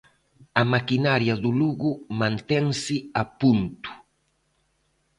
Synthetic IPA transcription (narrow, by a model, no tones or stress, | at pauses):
amakinaɾjad̪uluɣumãnt̪ɛŋsiapunt̪u̥